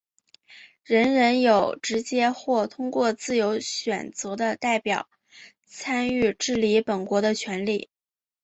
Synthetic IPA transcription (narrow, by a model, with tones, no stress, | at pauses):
ɻə˧˥nɻə˧˥njo˨˩ʊʈ͡ʂɻ̩˧˥t͡ɕjɛ˥xwɔ˥˩t̪ʰʊ˥ŋkwɔ˥˧t͡sɹ̩˥˩jo˧˥ʊɕɥɛ̰˨˩nt͡sɤ˧˥d̪ə˧t̪a˥˩ɪpjɑ̰˨˩˦ʊ | t͡sʰa˥ny˥˧ʈ͡ʂɻ̩˥˩li˧˥pə˨˩nkwɔ˧˥d̪ə˧t͡ɕʰɥɛ˧˥nli˨˩˦